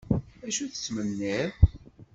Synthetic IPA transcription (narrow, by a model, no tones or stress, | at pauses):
æʃuθə̥t͡sːmənːiɾ